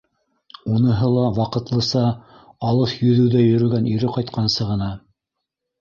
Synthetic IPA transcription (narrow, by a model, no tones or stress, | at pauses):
unɤ̆ɦɤlˠɑwɑqɤ̆t̪lˠɤ̆sɑ | ɑlˠɤʃjɵ̆ðɘ̆wðæjɵ̆ɾɵ̆ɡæniɾɘqɑjt̪qʰɑnsɤʁɤ̆nɑ